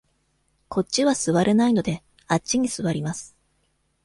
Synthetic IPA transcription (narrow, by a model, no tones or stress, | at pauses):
kʰo̞tt͡ɕːiβasɨβaɾe̞naino̞d̪e̞ | at͡ɕt͡ɕːiɲ̟isɨβaɾʲimasɨ̥